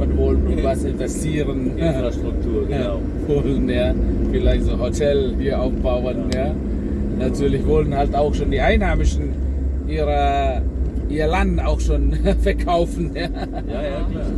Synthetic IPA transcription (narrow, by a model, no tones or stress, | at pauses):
ənvɔlənvasɪnvɛstiːʁənʔɪnfʁ̥aʃtʁ̥ʊk̚tʰuːɐɡ | vɔlənjaːfɪlaɪçtz̥oːhotʰɛldiːɐʔaʊfb̥aʊənjaː | natʰyːɐlɪçvɔlənhaltaʊxʃoːndiːʔaɪnhaːmɪʃn̩ | ʔiːʁɐ | ʔiːɐlandn̩aʊxʃoːnfɛɐkʰaʊfn̩jaː